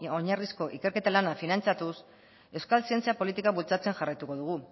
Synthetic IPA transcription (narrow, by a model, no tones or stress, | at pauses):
oɲarisko̞ʔike̞ɾke̞t̪alanafinant͡sat̪us | e̞wskalsie̞nt͡siapo̞lit̪ikaβult͡sat͡se̞ŋʝarajt̪uko̞ðuɣ̞u